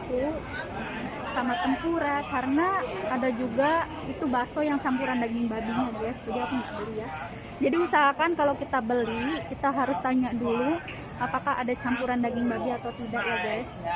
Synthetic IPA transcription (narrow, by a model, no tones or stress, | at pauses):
ku | samat̪əmpuɾakaɾənaːdad͡ʒuɡa | it̪ubasojaŋt͡ʃampuɾandaɡɪŋbabiɲaɡajspədiapʊŋɡaʔbəlija | d͡ʒadiusaɦakankalawkit̪abəlikit̪aɦaɾʊst̪aɲaʔdulu | ʔapakaɦa̰dat͡ʃampuɾandaɡɪŋbabiat̪awt̪idaʔjaɡajs